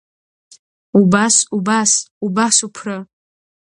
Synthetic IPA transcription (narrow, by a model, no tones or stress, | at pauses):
ubasubasubasupʰrɨ